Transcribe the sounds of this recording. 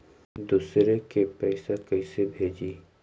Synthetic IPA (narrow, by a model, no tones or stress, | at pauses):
d̪uːsɾekepɛːsakɐsebʱeːd͡ʒiː